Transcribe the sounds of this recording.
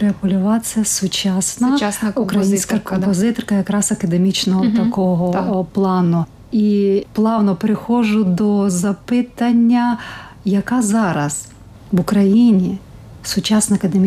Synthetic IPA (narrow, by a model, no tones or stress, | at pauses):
pɾeɐpɔlʲʊʋɑsʲɐsʊt͡ʃɑsnɐʊkɾɐjjinsʲkɐkɔmpɔzɪt̪ɔrkɐjɐkɾɑzɐkɐd̪emʲit͡ʃnɔɦɔt̪ɐkɔɦɔplˠɑnʊ | iplˠɑwnɔpeɾɪxɔʒʊd̪ɔzɐpɪt̪ɐnʲːɐ | jɐkɑzɑɾɐs | ʋʊkɾɐjinʲi | sʊt͡ʃɑsnɐɐkɐd̪emʲ